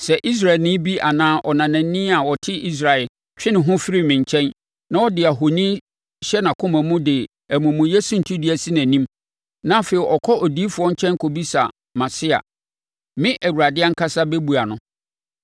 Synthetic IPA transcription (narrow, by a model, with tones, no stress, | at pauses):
sɛ˨ʔi˦s̬ɾa˦˨ɛ˨lnɪ̃˦bi˦ʔa˨nãː˦ʔɔ˨nã˨nã˨n˦nɪ̃˦a˨wɔ˨tʰɪ˦ʔi˦s̬ɾa˨ɛ˨l | t͡ɕᶣɪ˦nɪ̃˨ɦʊ̃˦fɪ˦ɾi˦˨mɪ̃˨ɲ˨t͡ɕʰɛ̃˦n | nã˦ɔ˦dɪ˨a˨ɦo˨nĩ˦ | ɕɛ˦nã˨kʰʊ̃˦mæ̃˨mũ˦dɪ˨ | æ˨mũ˨mũ˨je˦su˦n̩˨tʰu˦dɪ˦æ˨si˦næ̃˨nĩ˦m | nã˦fe˨ɾi˨ʔɔ˨kʰɔ˦ʔɔ˨di˦fʊ˨ɔ˦ɲ̩˦t͡ɕʰɛ̃˦ŋ˦kʰo˨bi˦sa˨ | mã˨sɪ˦a̰˨ | mɪ̃˦ʔæ˨wu˨ɾa˨dɪ˦a˦ŋ̩˦kʰa˦sa˦bɛ˦bu˨a˨nʊ̃˨˦